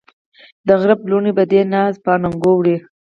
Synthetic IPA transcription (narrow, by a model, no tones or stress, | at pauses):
d̪əɣɾabluɳibad̪enɑzpɑnaŋɡowɽi